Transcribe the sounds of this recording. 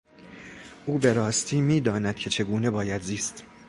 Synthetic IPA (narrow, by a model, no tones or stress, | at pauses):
ʔuːbe̞ɾɒːst̪ʰiːmiːd̪ɒːnæd̪̥cʰe̞t͡ʃʰe̞ɡuːne̞bɒːjæd̪ziːst̪